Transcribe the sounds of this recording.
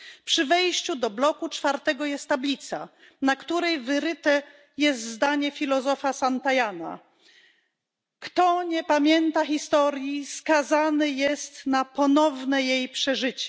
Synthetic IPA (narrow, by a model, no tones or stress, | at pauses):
pʂɘvɛjɕt͡ɕud̪ɔblɔkut͡ʂfaɾt̪ɛɡɔjɛst̪ːablʲit̪sa̰ | nakt̪uɾɛjvɘɾɘt̪ɛ | jɛst̪zd̪aɲɛfʲilɔzɔfasant̪ajana̰ | kt̪ɔɲɛpamʲjɛnt̪axʲist̪ɔɾʲjiskazanɘjɛst̪napɔnɔvnɛjejpʂɛʐɘt͡ɕɛ